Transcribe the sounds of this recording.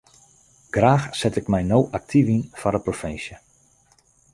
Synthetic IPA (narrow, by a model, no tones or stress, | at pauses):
ɡ̥raːxsɛtɪkmɛjnowʔak̚tʰivinfɔɾəprofɪnsjə